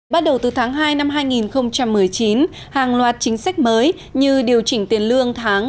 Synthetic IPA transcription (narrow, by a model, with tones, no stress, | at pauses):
ɓa˦˥t̚ɗə˨˩wt̪ɨ˨˩t̪ʰaː˨˦ŋɦaː˧jna˧mɦaː˧jŋi˨˩nxə˧wŋ͡mt͡ɕa˧mːɨ˨˩əjt͡ɕi˨˦n | haː˨˩ŋlwaː˨˩t̚t͡ɕï˨˦ŋ̟sa˦˥k̚məː˨˦j | ɲɨ˧ɗi˨˩əwt͡ɕï˧˩ŋ̟t̪i˨˦ənlɨ˧əŋt̪ʰaː˨˦ŋ